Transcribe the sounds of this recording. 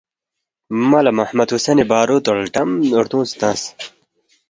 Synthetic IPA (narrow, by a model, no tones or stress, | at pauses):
mɐlɐmɐhmɐt̪usɐnibaːɾuːt̪oɽʈɐmuɾt̪ũːst̪ãːs